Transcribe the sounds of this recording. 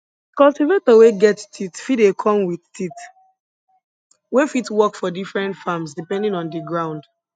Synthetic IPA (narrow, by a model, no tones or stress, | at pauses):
kɔltivetəweɡɛttʰitfidekʰɔ̃mwiðtit | wefitwɔkfɔdifɹɛ̃ntfamsdipɛ̃ndĩŋɔ̃ndiɡɹãʊ̃nd